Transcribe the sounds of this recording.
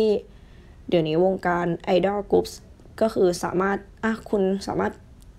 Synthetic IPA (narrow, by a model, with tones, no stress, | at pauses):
iː˥˩ | di˨˩˦wniː˦˥wo˧ŋkaː˧nʔa˧jdɔː˥˩ku˦˥p̚s | kɔː˥˩xʰɯː˧sa̰ː˩˦maː˥˩t̪̚ʔa˧˩kʰu˧nsa̰ː˩˦maː˥˩t̪̚